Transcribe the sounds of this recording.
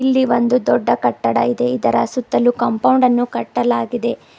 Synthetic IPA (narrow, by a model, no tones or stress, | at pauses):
ilːiʋond̪ud̪ɔɖːɐkɐʈːɐɽɐ̰id̪e̞id̪ɐɾɐ̰sut̪ːɐlukɐmpɐwɳɖɐnːukɐʈːɐlaːɡid̪e̞